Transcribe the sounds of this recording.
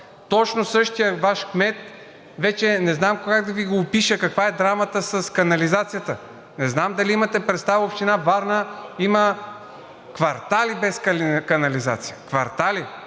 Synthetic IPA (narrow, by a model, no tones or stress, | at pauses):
t̪ɔt͡ʃnosɤʃt̪ijəvaʃkmɛt̪̚ | vɛt͡ʃɛnɛznamkoɡaɡ̚d̪ɐviɡoːpiʃəkɐkvaɛd̪ɾamət̪əsɐskɐnɐlizat̪sijət̪ə | nɛznamd̪ɐliimɐt̪ɛpɾɛt̪st̪avəopʃt̪inavaɾnəimə | kvɐɾt̪alibɛskkɐnɐliza̰t̪sijəkvɐɾt̪ali